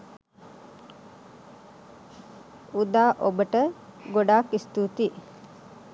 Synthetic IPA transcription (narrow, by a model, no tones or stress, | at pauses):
ud̪aːʔobəʈə | ɡoɖaːkist̪ut̪i